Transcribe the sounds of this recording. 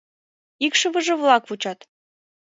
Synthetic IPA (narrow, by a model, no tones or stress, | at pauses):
ikʃə̆βə̆ʒə̆vlˠɑkvut͡ɕɑt̪